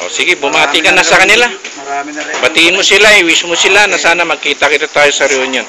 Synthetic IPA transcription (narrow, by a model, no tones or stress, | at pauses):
ʔo̰sɪɡɪbʊmaːt̪ɪkɐnasɐkɐnɪla | bɐt̪iːɪnmosɪlawɪsmosɪlanɐsaːnamɐɡ̚kiːt̪akɪt̪at̪aːjosɐɾionjon